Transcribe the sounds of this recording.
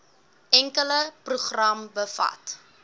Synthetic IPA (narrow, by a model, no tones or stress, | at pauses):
ʔɛŋkələpruχrɐmbəfɐ̰t